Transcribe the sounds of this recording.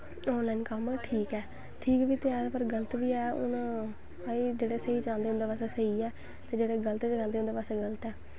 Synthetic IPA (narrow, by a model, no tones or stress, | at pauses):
oːlaːnkəmʈʰiːkɛː | ʈʰiːkʋiːt̪eɛːdpəɾɡələt̪ʋiːɛːʊ̰n | əiːd͡ʒeːɽeːsəiːt͡ʃaːnd̪eːʊ̃nd̪eːpaːseːsəiːɛː | t̪eːd͡ʒeːɽeːɡələt̪ːt͡ʃd͡ʒãːld̪eːʊnd̪eːpaːseːɡələt̪ɛː